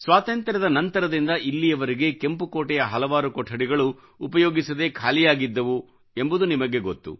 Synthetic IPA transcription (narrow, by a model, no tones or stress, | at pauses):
sʋaːt̪ɐnt̪ɾɐd̪ɐnɐnt̪ɐɾɐd̪ind̪ɐʔilːijɐʋɐɾiɡe̞ke̞mpukoːʈɛjɐɦɐlɐʋaːɾukɔʈʰːɐɽiɡɐɭuː | pɐjoːɡisɐd̪e̞kʰaːlijaːɡid̪ːɐʋu | e̞mbud̪unimɐɡe̞ɡot̪ːṵ